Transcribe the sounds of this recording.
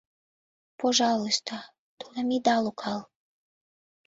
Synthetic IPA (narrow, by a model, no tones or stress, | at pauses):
poʒɑloʃt̪ʰɑ | t̪ulemid̪ɑlokʰɑl